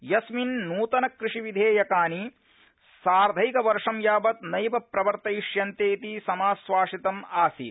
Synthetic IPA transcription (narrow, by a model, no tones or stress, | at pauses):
jɐsminːuːt̪ɐnɐkɾiʂiʋid̪ʱeːjɐkaːni | saːɾd̪ʱɐjkɐʋɐɾʂɐmjaːbɐt̪nɐjpɐpɾɐʋɐɾt̪ɐiʂjɐnt̪eːt̪isɐmaːsʋaːʂit̪ɐmaːsḭ